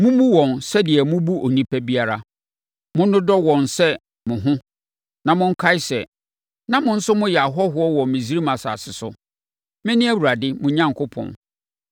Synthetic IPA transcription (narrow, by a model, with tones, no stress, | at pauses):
mʊ̃˦mũ˦wɔ̃˨nsɛ˦dɪ˨ɛ˨mʊ̃˦bu˦ʔo˨nĩ˦pʰæ˦bi˦a˦ɾa˦ | mʊ̃˦n˦ʊ̃˦dɔ˦wɔ̃˨nsɛ˦ | mʊ̃˨ɦʊ̃˦ | nã˨mʊ̃˦ŋ̩˦kʰa˦ɪ˦sɛ˨ | nã˨mʊ̃˦n̩˦sʊ˦mʊ̃˦jɛ˨a˨ɦɔ˦ɦʊ˦ɔ˦wɔ̃˨mɪ̃˨si˦ɾi˦mã˨sa̰˨sɪ˨sʊ̰˦ | mɪ̃˦nɪ̃˦æ˦˨wu˨ɾa˨dɪ˦mʊ̃˦ɲã˦ŋkʰʊ˦pʰɔ̰̃˨n